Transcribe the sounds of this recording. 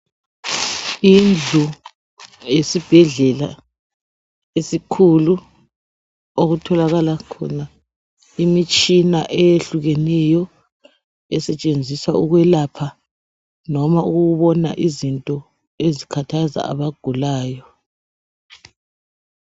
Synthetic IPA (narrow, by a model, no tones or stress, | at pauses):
ind͡ɮʱu | jesib̥ʱɛɮɛla̰ | esikʰulu | oɣutʰɔlaɣalakʰɔ̰na | imit͡ʃʼinaʔejeɬuɣɛnɛjɔ | ɛsɛt͡ʃʼend͡zʱiswauɣwɛlapʰa | nɔmauɣuɣuβɔna̰ʔizintʼɔ | ezikʰatʰaza̰a̰βaɡ̥ʱulaːjɔ